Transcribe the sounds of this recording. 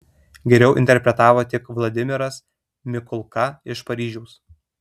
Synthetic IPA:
ɡʲɛɾʲɛʊʔɪ̰nʲt̪ʲɛɾʲpʲɾʲɛt̪ɑːʋoːt̪ʲɪkʋlˠɐd̪ʲɪmʲɪɾɐs | mʲɪkʊlˠkɐɪʃpɐɾʲiːʒʲɛʊs

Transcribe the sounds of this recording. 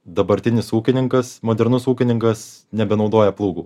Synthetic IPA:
d̪ɐbɐɾʲt̪ʲɪnʲɪsuːkʲɪnʲɪŋkɐsmoːd̪ʲɛɾnʊsuːkʲɪnʲɪŋkɐsnʲɛbʲɛnɒʊd̪oːjɛplˠuːɡuː

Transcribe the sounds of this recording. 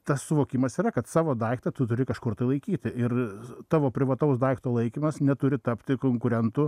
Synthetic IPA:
t̪ɐssʊʋoːkʲɪmɐsiːrɐkɐt̪sɑːʋoːd̪ɐɪkt̪ɐt̪ʊt̪ʊɾʲɪkɐʃkʊrt̪ɐɪlˠɐɪkʲiːt̪ʲɪʔɪrt̪ɑːʋoːpʲɾʲɪʋɐt̪ɐʊsd̪ɐɪkt̪oːlˠɐɪkʲimɐsnʲɛt̪ʊɾʲɪt̪ɐpʲt̪ʲɪkoːŋkʊɾʲɛnt̪ʊ

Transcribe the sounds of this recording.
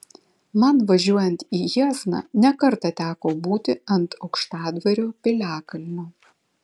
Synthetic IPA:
mɐnʋɐʒʲuɔjɛnʲt̪iːjiːznɑ̰nʲɛkɐɾt̪ɐt̪ʲæːkoːbuːt̪ʲɪɐnt̪ɒʊkʃt̪ɑːd̪ʋʲɐɾʲoːpʲɪlʲæːkɐlʲmʲoː

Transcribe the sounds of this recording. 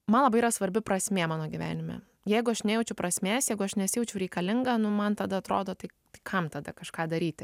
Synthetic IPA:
mɐnlˠɐbɐɪiɾɐsʋɐɾʲbʲɪpɾɐsʲmʲeːmɑːnoːɡʲiʋʲæ̰ːnʲɪmʲɛ̰ | jɛɪɡʊɐʃnʲɛjɛʊt͡ʃʲɛʊpɾɐsʲmʲeːsjɛɪɡʊɐʃnʲɛsʲɪjɛʊt͡ʃʲɛʊɾʲɛɪkɐlʲɪŋɡɐːnʊmɐnt̪ɐd̪ɐɐt̪ɾoːd̪oːt̪ɐɪt̪ɐɪkʰɐmt̪ɐd̪ɐkɐʃkɑːd̪ɐɾʲiːt̪ʲɪ

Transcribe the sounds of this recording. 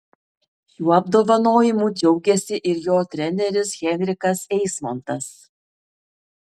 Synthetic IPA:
juːɐb̚d̪oːʋɐnoːjɪmuːd͡ʒʲɛʊɡʲɛsʲɪʔɪɾjoːt̪ʲɾʲɛnʲɛɾʲɪsɣʲɛnʲɾʲɪkɐsɛɪsmɔnt̪ɐs

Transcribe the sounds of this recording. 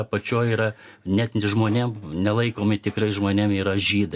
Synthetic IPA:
pɐt͡ʃʲoːjiːɾɐ | nʲɛt̪nʲʒmoːnʲemnʲɛlˠɐɪkoːmʲɪt̪ʲɪkɾɐɪʒmoːnʲemiːɾɐʒʲiːd̪ɐ

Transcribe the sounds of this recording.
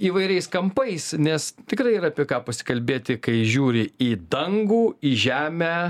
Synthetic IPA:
iːʋɐɪɾʲɛɪskɐmpɐɪsnʲɛst̪ʲɪkɾɐɪiːɾɐːpʲiɛkɑːpɐsʲɪ̥kɐlʲbʲeːt̪ʲɪkɐɪʒʲuːɾʲɪiːd̪ɐŋɡuːiːʒʲæːmʲæː

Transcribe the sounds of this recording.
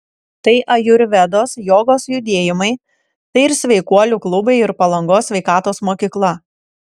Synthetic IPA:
t̪ɐɪʔɐjʊɾʲʋʲɛd̪oːsjoːɡoːsjʊd̪ʲeːjɪmɐɪ | t̪ɐɪɪɾsʲʋʲɛɪkuɔlʲuːklˠʊbɐɪɪɾpɐlˠɐŋɡoːsʲʋʲɛɪkɑːt̪oːsmoːkʲiːklˠɐ

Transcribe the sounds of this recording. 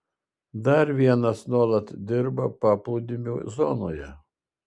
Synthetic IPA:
d̪ɐɾʋʲiɛnɐsnuɔlˠɐt̪d̪ʲɪɾbɐpɑːplˠud̪ʲɪmʲuːzɔnoːjɛ

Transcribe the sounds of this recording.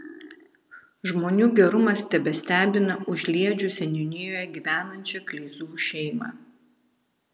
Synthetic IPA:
ʒmoːnʲuːɡʲɛɾʊmɐsʲt̪ʲɛbʲɛsʲt̪ʲæːbʲɪnɐʊʒʲlʲiɛd͡ʒʲʊsʲɛnʲɔnʲɪjoːjɛɡʲiːʋʲæːnɐnʲt͡ʃʲɛklʲɛɪzuːʃʲɛɪmɑ̰ː

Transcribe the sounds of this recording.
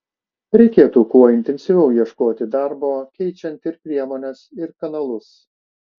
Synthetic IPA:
ɾʲɛɪkʲeːt̪uːkuɔɪnʲt̪ʲɛnʲsʲɪʋʲɛʊjiɛʃkoːt̪ʲɪd̪ɑˑɾboːkʲɛɪt͡ʃʲɛnʲˑt̪ɪɾpʲɾʲiɛmoːnʲɛsɪɾkɐnɐlˠʊs

